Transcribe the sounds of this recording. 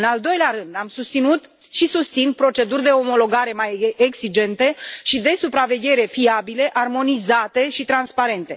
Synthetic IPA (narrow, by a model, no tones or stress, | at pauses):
ɨnald̪o̞jleaɾɨnd̪amsust̪sinut̪ | ʃisust̪sinpɾo̞t͡ʃe̞d̪urʲd̪e̞o̞mo̞lo̞ɡaɾe̞majeɡsid͡ʒe̞nt̪e̞ʃid̪e̞supɾave̞ɡʲe̞ɾe̞fiabile̞ʔarmo̞nizat̪e̞ʃit̪ɾanspaɾe̞nt̪e̞̰